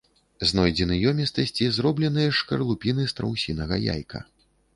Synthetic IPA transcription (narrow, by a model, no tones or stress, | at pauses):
znɔjd͡zʲɛnɨjɔmʲist̪ɐsʲt͡sʲizrɔblʲɛnɨjɐʂkɐrlˠupʲinɨst̪ɾɐ̰wsʲinɐɣɐja̰jkʰɐ̰